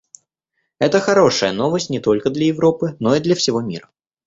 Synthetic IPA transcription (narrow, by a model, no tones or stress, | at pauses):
ɛt̪əxɐɾo̞ʂəjəno̞vəsʲtʲnʲɪt̪o̞lʲkəd̪lʲəjɪvɾo̞pɨno̞id̪lʲɐfsʲɪvo̞mʲḭɾə